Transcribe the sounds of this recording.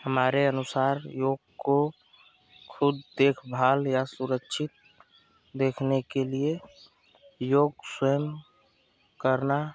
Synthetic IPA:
həmaːɾeənʊsaːɾjoːɡ̚ko | kʰʊd̪d̪eːkʰbʱaːljasʊɾəkʃʰɪt̪̚ | d̪eːkʰnekelie | joːɡswəjəm | kəɾna

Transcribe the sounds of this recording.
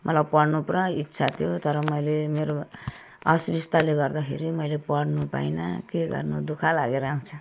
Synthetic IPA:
mʌt̪labpʌɽnuprʌitːsʰat̪ʰijot̪ʌɾʌmʌjlemeɾo | ʌsuɾist̪aleɡʌrd̪ʌkʰḛɾimʌjlepʌɽnupa̰jnʌ̰keɡʌ̰rnud̪ukʰalaɡeɾaũnt͡sʰʌ

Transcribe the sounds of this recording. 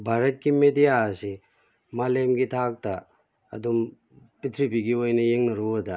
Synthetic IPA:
bʱaɾɐt̚kimedijasi | malemɡitʰak̚ta | ɐ̰dum | pitʰɾibiɡiojnɐjeŋnɐɾuda

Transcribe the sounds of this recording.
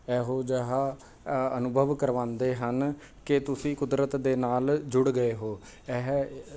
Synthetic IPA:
ɛːɦoːd͡ʒəɦaː | ənʊbʱəʋkəɾʋãːnd̪eːɦən | kɪt̪ʊsĩːkʊd̪ɾət̪d̪eːnaːld͡ʒʊɽɡəeːɦoː | ɛɦ

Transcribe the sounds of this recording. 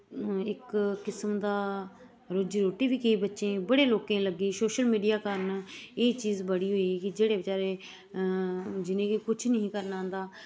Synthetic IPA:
ɪkːɪsəmd̪aː | ɾʊd͡ʒɾoːʈiːʋiːkəiːbətːʃẽːbəɽeːloːkẽːləɡiːsoːʃəlmiːɖijaːkəɾneːt͡ʃiːzbəɽiːɦoːiːkɪd͡ʒeːɽeːbət͡ʃaːɾeː | d͡ʒɪnẽːkikʊt͡ʃʰnəɦĩːkəɾnãːnd̪aː

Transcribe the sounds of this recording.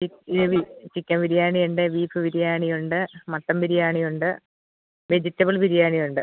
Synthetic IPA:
iʋit͡ɕikʲːɐmʋiɾijaːɳijuɳɖeʋiːfɨʋiɾijaːɳijuɳɖɨmɐt̪ːɐmʋiɾijaːɳijuɳɖɨ | ʋe̞d͡ʑitːɐbiɭʋiɾijaːɳijuɳɖɨ

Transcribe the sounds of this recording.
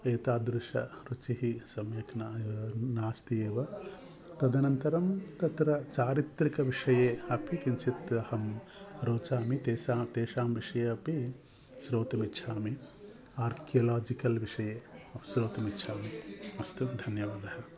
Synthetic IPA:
eːt̪aːd̪ɾuʂɐ̰ɾut͡ʃiɦisɐmjɐkɐnanaːst̪ijeːʋɐ | t̪ɐd̪ɐnɐnt̪ɐɾɐmt̪ɐt̪ɾɐt͡ʃaːɾit̪ɾikɐʋiʂɐjeːɐpʰikint͡ʃʰit̪ɾɐhɐm | ɾoːt͡ʃaːmit̪eːsaːt̪eːʃaːmʋiʂɐjeɐpi | ʃɾoːt̪ɐmitːʃʰaːmi | aːɾkijɐlaːd͡ʒikɐlʋiʂɐjeːɐʃɾoːt̪ɐmitːʃʰaːmiɐst̪ud̪ʱɐnjɐʋaːd̪ɐhɐ

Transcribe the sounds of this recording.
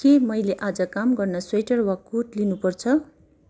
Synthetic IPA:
kemʌjleʔad͡zʌkamɡʌrnʌswʌjʈʌrwakuʈlinupʌrt͡sʰʌ

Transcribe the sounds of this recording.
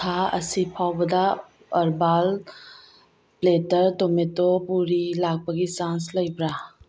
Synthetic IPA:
kʰaɐsipʰawbɐdaː | ɾbal | pletəɾtometopuɾilaɡ̚baɡisansləjbɾa

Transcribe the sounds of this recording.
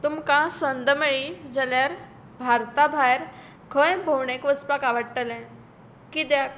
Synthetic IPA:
t̪umkãsənd̪əmeɭid͡zaljaɾ | bʱaɾt̪abʱajɾ | kʰəjbʱowɳekʋəspakaʋəɽʈəlɛ̃ | kit̪ja

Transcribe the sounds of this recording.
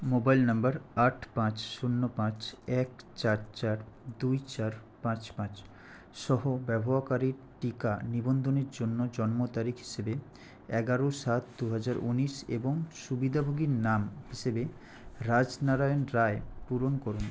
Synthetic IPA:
mobajlnambaɾaʈʰpãt͡ɕʃunːopãt͡ɕɛkt͡ɕaɾt͡ɕaɾd̪ujt͡ɕaɾ | pãt͡ɕpãt͡ɕ | ʃɔɦobɛbʱoɦakaɾiɾ | ʈikanibond̪ʱoneɾd͡ʑonːod͡ʑɔnmot̪aɾikʰɦi̥ʃebe | ɛɡaɾoʃat̪d̪uɦad͡ʑaɾʔuniʃḛboŋʃubid̪ʱabʱoɡiɾnamɦiʃebe | ɾad͡ʑnaɾaonɾaepuɾonkoɾun

